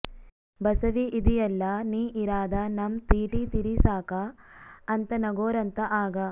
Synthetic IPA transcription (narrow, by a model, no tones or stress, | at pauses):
bɐsɐʋiʔid̪ijɐlːɐniːʔiɾaːd̪ɐnɐmt̪iːʈit̪iɾisaːkɐɐnt̪ɐnɐɡoːɾɐnt̪ɐʔaːɡɐ